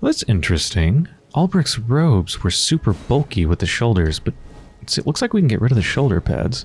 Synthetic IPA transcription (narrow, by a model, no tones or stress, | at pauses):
ðætsɪ̃nt͡ʃɹ̥ɨstɪ̃ŋ | ʔɑlˠbɹɪksɹoʊbz̥wə˞sʉpə˞bʌlˠkiwɨðɨʃoʊlˠdə˞z̥b̥ʌt̚ | sɨ̰ʔˡlʊkslaɪkwikn̩ɡɛ̰ʔɹɪɾʌvðɨʃoʊlˠdə̰˞pʰæ̰dz̥